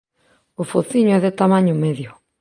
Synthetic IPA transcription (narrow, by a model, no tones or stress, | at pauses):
ʊfoθiɲʊɛðet̪amãɲʊmeðjʊ